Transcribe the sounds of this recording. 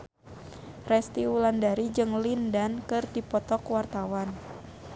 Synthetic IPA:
rɛst̪iulandaɾid͡ʒɨŋlindankɨrdipɔt̪ɔkwart̪awan

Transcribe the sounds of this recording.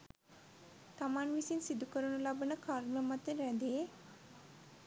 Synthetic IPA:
t̪amanʋisinsid̪ukəɾunulabənəkaɾmləmat̪eɾɛd̪e

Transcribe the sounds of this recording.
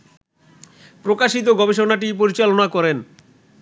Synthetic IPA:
pɾokaʃit̪oɡɔbeʃonaʈ̬ip̬oɾit͡ɕalonakɔɾen

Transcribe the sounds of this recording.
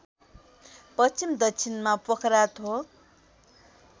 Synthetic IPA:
pʌt͡simd̪ʌt͡sʰinmapʌkʰɾat̪ʰo

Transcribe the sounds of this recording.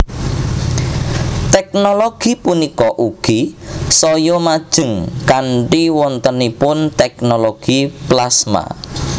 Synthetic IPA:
t̪ɛk̚noloɡ̥ipunikɔʔuɡ̥isɔjɔmad̥ʒ̥əŋkaɳʈiwɔnt̪ənipʊnt̪ɛknoloɡ̥iplasma̰

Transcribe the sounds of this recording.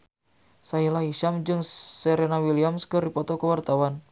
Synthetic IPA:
sailahiʃamd͡ʒɨŋsəɾenawiliamskɨrdipɔt̪ɔkəwart̪awan

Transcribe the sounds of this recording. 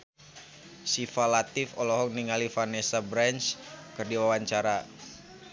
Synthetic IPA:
sifalat̪ifɔlɔɦɔk̚niŋalifanesabɾant͡ʃkərdiwawaɲt͡ʃaɾa

